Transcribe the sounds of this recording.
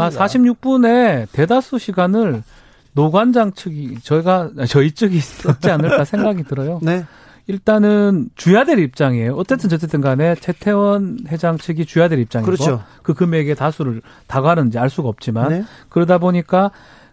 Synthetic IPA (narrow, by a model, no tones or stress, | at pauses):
asʰaɕʰimɲuk̚p͈une̞te̞dasʰuɕʰiɡanɯɭ | noɡand͡ʑaŋt͡ɕʰɯɡit͡ɕʌiɡat͡ɕʌit͡ɕ͈ɯɡiʌt͡ɕ͈ianɯɭk͈asʰe̞ŋɡaɡitɯɾʌjone | iɭt͈anɯnt͡ɕujadeɾip̚t͡ɕ͈aŋejoʌt͡ɕ͈e̞t͈ɯnt͡ɕʌt͡ɕ͈et͈ʰɯnɡane̞t͡ɕe̞tʰe̞wʌnhe̞d͡ʑaŋt͡ɕʰɯɡit͡ɕujadeɾip̚t͡ɕ͈aŋikoo | kɯkɯmeɡe̞tasʰuɾɯɭ | taɡanɯnd͡ʑiaɭs͈uɡaʌp̚t͡ɕ͈imankɯɾʌdaboɲik͈a